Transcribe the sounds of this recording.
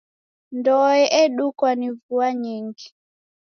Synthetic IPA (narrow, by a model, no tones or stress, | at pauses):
ndɔɛʔɛɗukwanivuaɲiŋɡi